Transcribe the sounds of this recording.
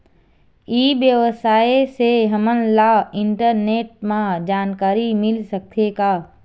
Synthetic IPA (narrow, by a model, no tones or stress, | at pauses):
iːbjəwəsaːeseɦəmənlaɪ̃ɳʈəɾneːʈ̚mãd͡ʒaːnkaːɾimɪlsəkt̪ʰekaː